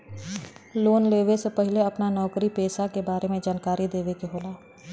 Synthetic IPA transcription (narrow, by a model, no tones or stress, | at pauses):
loːnleːʋesepɛɦɪleɐpnanɔːkɾipeːsakebaːɾemẽd͡ʒaːnkaːɾid̪eːʋekeɦoːlaː